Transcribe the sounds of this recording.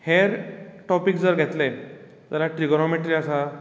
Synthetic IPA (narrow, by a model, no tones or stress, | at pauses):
heɾʈɔpikd͡zəɾɡʱet̪le | d͡z̪əɾaʈɾiɡɾɔmeʈɾiasa